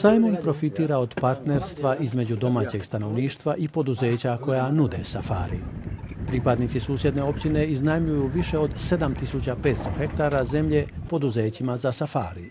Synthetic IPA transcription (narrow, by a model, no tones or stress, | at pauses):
sajmompɾo̞fit̪iːɾao̞d̪paɾt̪ne̞ɾst̪ʋaʔizme̞d͡ʑud̪o̞maːt͡ɕe̞ɡst̪ano̞ʋniːʃt̪ʋaʔipo̞d̪uze̞ːt͡ɕako̞janud̪e̞̰safa̰ːɾḭpɾipad̪nit̪isuːsjed̪ne̞o̞pt͡ɕine̞iznajmʎujuʋiʃe̞o̞d̪se̞d̪amt̪isut͡ɕapeːt̪st̪o̞xe̞kt̪aːɾaze̞mʎe̞po̞d̪uze̞ːt͡ɕimazasafa̰ːɾi